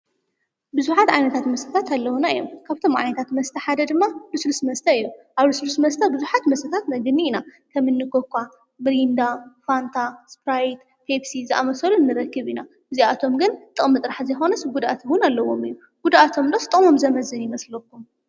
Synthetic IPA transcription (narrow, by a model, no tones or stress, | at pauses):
bɨzuħat̪ʕajnɐt̪ʰat̪mɐst̪ʰɐt̪ʰat̪alːɐwunaijomkʰaβt̪ʰo̞mʔʕa̰jnɐt̪ʰat̪mɐst̪ʰɐħad̪ɐd̪ɨmːabɨsɨlusmɐst̪ʰɐijuʔaβlɨsɨlusmɐst̪ʰɐbɨzuħat̪mɐst̪ɐt̪ʰat̪mɐɡɨnːiːnakʰɐmːɨnːɨkokʰʷːa | mɾind̪afant̪ʰaspɾajt̪ | pʰepsizɨʔa̰mɐsɐlunːɨɾɐkːɨβina | bɨziat̪ʰo̞mɡɨnt̪ʼɨχʼmɨt̪ʼɾaħzɐjxo̞nɐsɡud̪ʔat̪ʰwʊnalːɐwo̞mɨjːu | ɡ̥ud̪ʔat̪ʰo̞md̪ost̪ʼɨχʼmo̞mzɐmɐzɨnjɪmɐslɐkːum